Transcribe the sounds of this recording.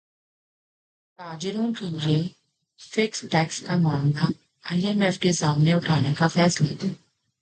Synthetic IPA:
taːd͡ʒɪɾõkelie | fɪksʈɛːkskamãːŋɡ̪a | ajɛmɛfkezaːmnẽʊʈʰaːnekafɛːslat̪eː

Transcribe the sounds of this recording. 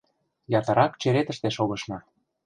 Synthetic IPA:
jɑt̪ɤ̆ɾɑkt͡ɕeɾet̪ə̆ʃt̪eʃoɣɤ̆ʃnɑ

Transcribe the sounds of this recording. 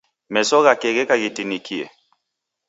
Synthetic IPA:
mɛsɔɣakɛɣɛkaɣitinikʰiɛ̰

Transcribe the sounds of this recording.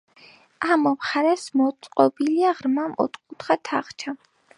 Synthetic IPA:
amɔmχaɾɛsmɔt̪sʼqʼɔbiliaʁɾmamɔ̰t̪ʰʼkʼut̪χat̪ʰaχt͡ʃʰa

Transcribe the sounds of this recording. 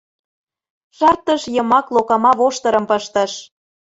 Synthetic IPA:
ʃɑrt̪əʃjəmɑklokɑmɑβoʃt̪ɤ̆ɾə̆mpəʃt̪ə̆ʃ

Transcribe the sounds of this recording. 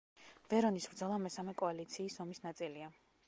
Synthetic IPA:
v̥ɛɾɔnisvɾd̪zɔlˠamɛsamɛkʼɔalit̪sʰiːsɔmisnat̪sʼilia

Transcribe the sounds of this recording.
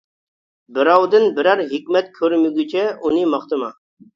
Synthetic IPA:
bɪɾɑwd̪ɨnbɪɾæɾɦikʲmɛt̪kʲʰøɾmyɡʲyt͡ʃʰɛʔunɨmɑχt̪ɨmɑ

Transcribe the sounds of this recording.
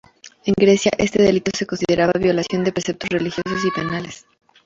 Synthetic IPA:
e̞ŋɡɾe̞sja̰ʔe̞st̪eðe̞lit̪o̞seko̞nsiðe̞ɾaβaβjo̞lasjo̞nd̪e̞pɾesep̚t̪ozrelixjo̞s̬os̬ipe̞nales

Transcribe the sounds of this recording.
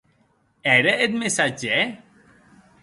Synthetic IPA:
ɛɾəet̪̚mesad͡ʒe

